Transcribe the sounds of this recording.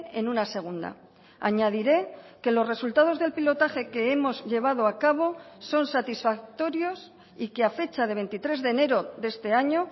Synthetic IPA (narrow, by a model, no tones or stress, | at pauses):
e̞̰nunase̞ɣ̞und̪a̰ | a̰ɲað̞iɾe̞ke̞lo̞sre̞sult̪að̞o̞zðe̞lpilo̞t̪axe̞ke̞emo̞zʎe̞β̞að̞o̞akaβ̞o̞so̞nsat̪isfak̚t̪o̞ɾjo̞s | ikeafe̞t͡ʃað̞e̞β̞ent̪it̪ɾe̞zðe̞ne̞ɾo̞ðe̞st̪e̞aɲo̞